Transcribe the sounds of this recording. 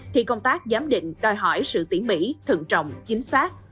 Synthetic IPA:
t̪ʰi˧˩kə˧wŋ͡mt̪aː˦˥k̚zaː˨˦mɗḭ˧˨ŋ̟ɗɔ˨˩jɦɔ˧˩jsɨ̰˧˨t̪i˧˩əŋmḭ˧˥t̪ʰɨ̰˧˨ŋt͡ɕə̰˧˨wŋ͡mt͡ɕï˨˦ŋ̟saː˦˥k̚

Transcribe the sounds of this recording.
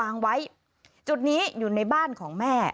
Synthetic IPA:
aː˧ŋwa˦˥j | t͡ɕu˨˩t̪̚niː˦˥juː˨˩na˧jbaː˥˩nkʰɔː˩˦ŋmɛː˥˩

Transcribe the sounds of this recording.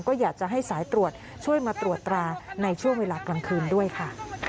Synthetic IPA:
ŋkɔː˥˩jaː˨˩k̚t͡ɕa˨˩ʔɦa˥˩jsaː˩˦jt̪ɾu˨˩ət̪̚ | t͡ɕʰu˥˩əjmaː˧t̪ɾu˨˩ət̪ːɾaː˧na˧jt͡ɕʰu˥˩ŋweː˧laː˧kla˧nkʰɯː˧ndu˥˩əjkʰa˥˩

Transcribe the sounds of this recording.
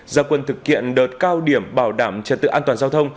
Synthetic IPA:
zaː˧˩kwə˨˩nt̪ʰɨ˨˩k̚hḭ˧˨ənɗəː˨˩t̚kaː˧wɗi˧˩əmɓaː˧˩wɗaː˧˩mt͡ɕə˨˩t̚t̪ɨ̰˧˨ʔaː˧nt̪waː˨˩nzaː˧wt̪ʰə˧wŋ͡m

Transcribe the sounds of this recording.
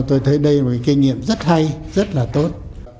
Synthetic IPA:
t̪o˧jt̪ʰə˨˦jɗə˧jo˨˩ka˨˦jki˧ŋ̟ŋḭ˧˨əmzə˦˥t̚ha˧jzə˦˥t̚laː˨˩t̪o˦˥t̚

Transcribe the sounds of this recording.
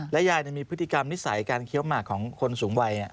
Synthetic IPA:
lɛ˦˥jaː˧jni˨˥˩miː˧pʰɯ˦˥t̪ʰi˧ka˧mni˦˥sa˨˩˦jkaː˧nkʰi˦˥əwmaː˨˩kʰːɔː˩˦ŋkʰo˧nsuː˩˦ŋwa˧jni˧˥˩

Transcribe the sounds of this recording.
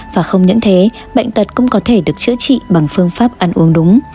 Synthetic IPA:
vaː˨˩xə˧wŋ͡mɲə̰˧˥nt̪ʰe˨˦ | ɓə̰˧˨jŋ̟t̪ə˨˩t̚kʊ̰˧˥ŋ͡mkɔ˨˦t̪ʰe˧˩ɗɨ˨˩ək̚t͡ɕɨ̰˧˥ət͡ɕḭ˧˨ɓa˨˩ŋfɨ˧əŋfaː˦˥p̚ʔa˧nʔu˨˦əŋɗʊ˨˦ŋ͡m

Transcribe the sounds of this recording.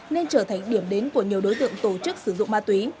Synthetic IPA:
ne˧nt͡ɕəː˧˩t̪ʰa˨˩jŋ̟ɗi˧˩əmɗe˨˦nku˧˩əɲi˨˩əwɗo˨˦jt̪ɨ̰˧˨əŋt̪o˧˩t͡ɕɨ˦˥k̚sɨ˧˩zʊ̰˧˨ŋ͡mmaː˧t̪wi˨˦

